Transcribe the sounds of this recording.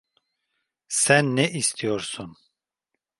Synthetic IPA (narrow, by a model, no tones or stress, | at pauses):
sænːɛʔist̪ʰijoɾsun